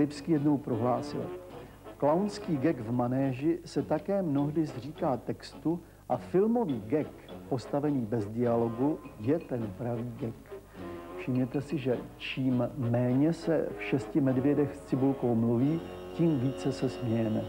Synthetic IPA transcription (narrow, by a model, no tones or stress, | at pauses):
lɪpskiːjɛdno̞wpɾoɦlaːsɪ̰l | klawnskiːɡɛkvmanɛːʒɪsɛt̪akɛːmno̞ɦdɪzr̝iːkaːt̪ɛkst̪u | ʔafɪlmo̞viːɡɛk | po̞st̪avɛniːbɛzdɪalo̞ɡujɛt̪ɛnpɾaviːɡɛk | fʃɪmɲɛt̪ɛsɪʒɛt͡ʃiːmːɛːɲɛsɛ̰fʃɛscɪmɛdvjɛdɛxst͡sɪbulkowmluviː | ciːmviːt͡sɛsɛsmɲɛjɛmɛ